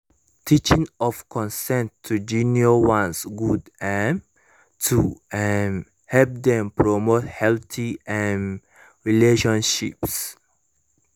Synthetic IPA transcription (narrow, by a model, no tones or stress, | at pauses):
tʰit͡ʃĩŋɔvkʰɔ̃nsɛ̃ntʰːud͡ʒĩnjowãnsɡudɛ̃n | tʰuɛn | hɛlp̚d̪ɛ̃mpɹɔmothɛltʰiɛ̃n | ɹileʃɔ̃nʃips